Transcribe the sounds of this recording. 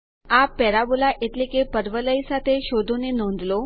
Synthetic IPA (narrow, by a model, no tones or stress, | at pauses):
apːɛɾabulaʔet̪likepəɾʋələjsat̪ʰeɕod̪ʱunenõnd̪lo